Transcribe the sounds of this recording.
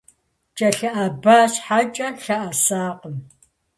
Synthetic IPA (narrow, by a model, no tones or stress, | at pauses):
t͡ʃʼɐɬɐʔɐbaːɕħat͡ʃʼɐɬɐʔɐsaːqʷəm